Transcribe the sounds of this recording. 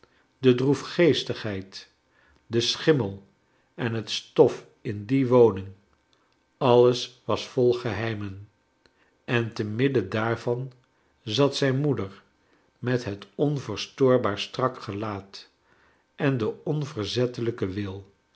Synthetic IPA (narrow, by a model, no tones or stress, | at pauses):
dədrufχejstəχɦɛjt | dəsχɪməlˠ | ɛnɦətstɔf | ɪndiʋownɪŋ | ɑləsʋɑsfɔlˠχəɦɛjmən | ɛntəmɪdədaːɹvɑn | zɑtsɛjnmudəɹ | mɛtɦətɔnvəɹstoːɹbaːɹstrɑkχəlaːt | ʔɛndəɔnvəɹzɛtələkəʋɪlˠ